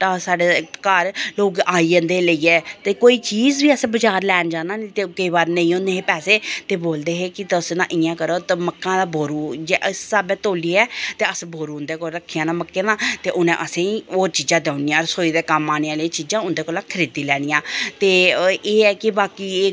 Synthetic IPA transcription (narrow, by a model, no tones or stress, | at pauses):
aːsaːɖeːkəɾloːɡaːiːənd̪eːləiːɛːt̪eːkoːiːt͡ʃiːzbiːəsẽːbəd͡ʒaːɾlɛːnd͡ʒãːnd̪aːneːt̪eːkəiːbaːɾnə̃ĩːõnd̪eːɦeːpɛːseːt̪eːboːld̪eːɦeːkɪt̪əsnãːʔɪjãːkəɾoːt̪əməkːãːd̪abʱoːɾuːd͡ʒeːʔəsːaːbɛːt̪oːliːɛːt̪eːəsboːɾuːʊnd̪eːkoːɾəkʰːijãːnãːməkːeːnãːt̪eːʔʊnḛ̃ʔəsẽːiːoːɾt͡ʃiːd͡ʒãːd̪ːnijãːɾsoːiːd̪eːkəmaːneːãːlãːt͡ʃiːd͡ʒãːʊnd̪eːkoːlãːkʰəɾiːd̪iːlɛːɽ̃ɪjãːt̪eːeːɛːkɪbaːkiːeː